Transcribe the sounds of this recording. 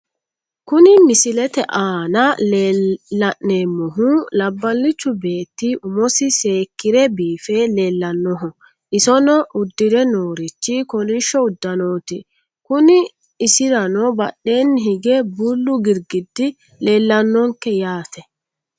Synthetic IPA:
kʊnɪmɪsɪlɛt̪ɛʔaːnɐleːɐʔneːmːɔɦulɐbːɐlːɪt͡ʃːʊbe̞ːt̪ːiʔʊmɔsɪse̞ːkːɪɾɛbiːfɛleːlːɐnːɔɦɔ | ʔɪsɔnɔʔʊd̪ːɪɾɛno̞ːɾɪt͡ʃːɪkɔlɪʃːɔʊd̪ːɐnoːt̪ɪ | kʊnɪː | sɪɾɐnɔbɐɗːe̞ːnːɦɪɡɛbulːʊɡɪɾɡɪd̪ːɪ | leːlːɐnːɔŋkːɛjaːt̪ɛ

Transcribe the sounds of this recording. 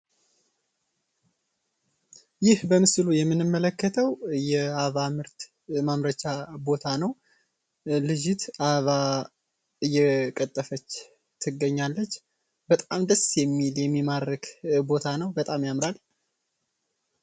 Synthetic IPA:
jɪhbəmɨslujɛmːɨnɨmːələkːət̪ʰəwjɛaβamɨɾt̪ | mamɾət͡ʃabo̞t̪ʰanəw | lɨd͡ʒɪt̪ʔaβa | ɨjːɛkʼət̪ʼːəfət͡ʃː | t̪ʰɨɡːəɲːalːət͡ʃː | bət̪ʼamd̪əsjɛmːiljɛmːimaɾəkbo̞t̪ʰanəwbət̪ʼamjamɾal

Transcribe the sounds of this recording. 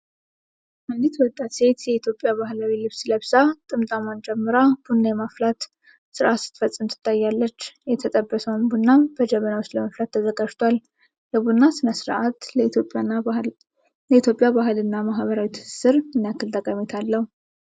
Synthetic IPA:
ʔɨnd̪it̪jɛwɔt̪ʼːat̪se̞t̪jɛit̪ʰjo̞pʼːjaβaɦlawilɨβsləβsat̪ʼɨmt̪ʼamand͡ʒɛmːɨɾab̥unːajɛmaflat̪ | sɨɾʔat̪sɨ̥t̪fəsʼːɨmt̪ʰɨ̥t̪ʰʼːajːalːət͡ʃːjɛt̪ʰət̪ʼəbːəsəwnbunːabəd͡ʒəβənawost̪ləməflat̪ʰːəzəɡad͡ʒt̪ʰwal | ləbunːasɨnasɨɾʔat̪lopʼː | ləit̪ʰjo̞pʼjabaɦɨlɨnːamaɦβəɾawit̪ʰɨ̥sɨ̥sɨɾɨnːijakʰːɨlt̪ʼəkʼamet̪ʰalːəhu

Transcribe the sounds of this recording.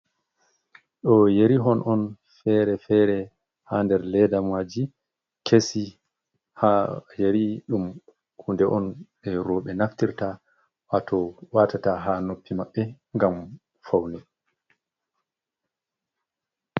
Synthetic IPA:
ɗɔjeɾiɦɔnʔɔn | fɛɾɛfɛɾɛ | handɛɾlɛdamwad͡ʒi | kʰesi | hajeɾiɗum | kundɛʔɔnɓɛɾɔɓɛnaftiɾta | ʔatʰɔwaːtataɦanopːimaɓːɛ | ŋɡam | fawnɛ

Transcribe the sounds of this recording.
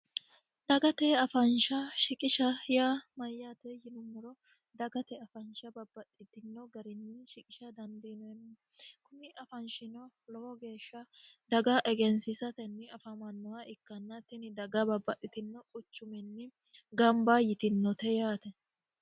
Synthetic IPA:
d̪̥ɐɡɐt̪ɛɐfɐnʃɐʃɪkʼɪʃɐjamɐjːat̪ɛjɪnʊmːʊɾɔ | d̪ɐɡɐt̪ɛɐfɐnʃɐbɐbːɐtʼːɪt̪ɪnːɔɡɐɾɪnːɪʃɪkʼɪʃɐd̪ɐnd̪ɛnɛnː | kʊmɪʔɐfɐnʃɪnɔ | lɔhɔɡe̞ːʃːɐd̪ɐɡɐʔɛɡɛnsɪsɐt̪ɛnːɪɐfɐmɐnːɔwɐɪkːɐnːɐt̪ɪnɪd̪ɐɡɐbɐbːɐt̪ʼːɪt̪ɪnːɔkʼʊt͡ʃːʊmɛnːɪ | ɡɐmbajɪt̪ɪnːɔt̪ɛjaːt̪ɛ

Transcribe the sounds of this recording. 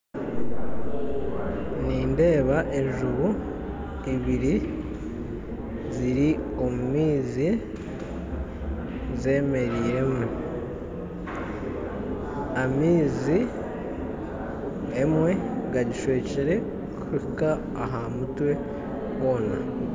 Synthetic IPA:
niːnde̞ːβaʔe̞ɲʒuβu | iβiɾi | ziɾio̞mumiːzi | ze̞ːme̞ɾiːɾe̞mwe̞ | amiːzi | emwe̞ɡaɟiʃwe̞ːciɾe̞ | kuɾikaː | ɦamutwe̞ | wo̞ːna

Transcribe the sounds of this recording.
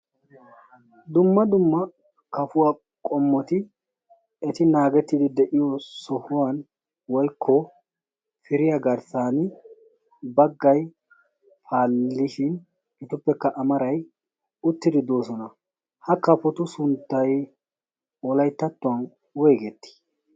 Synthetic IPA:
d̪ʊmːɐd̪ʊmːɐ | kɐfʊwaː | kʼɔmːɔt̪ɪ | ɛt̪ɪnaːɡɛt̪ːid̪ɪd̪ɛʔɪjɔsɔhʊwɐn | wɔjkʰːɔ | fɪɾɪjɐɡɐɾsaːn | bɐɡːɐj | faːlːɪʃɪn | ɪt̪ʊpːɛkːɐʔɐmɐɾɐj | ʊt̪ːɪd̪ɪd̪o̞ːsɔnɐ | hɐkɐfɔt̪ʊsʊnt̪ːɐj | wɔlɐjt̪ːɐt̪ːʊwɐn | weːɡɛt̪ːɪ̥

